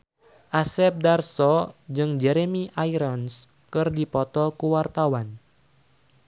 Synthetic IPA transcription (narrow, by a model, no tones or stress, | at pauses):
ʔasɛp̚darsɔd͡ʒɨŋd͡ʒɛɾemiʔajɾɔns | kɨrdipɔt̪ɔkuwart̪awan